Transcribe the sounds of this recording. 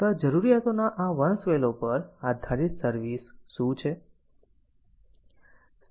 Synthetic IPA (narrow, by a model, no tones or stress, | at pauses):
ad͡ʒəɾuɾijat̪onaʔaʋənsʋelopəɾad̪ʱaɾit̪səɾʋisʃũt͡ʃʰe | s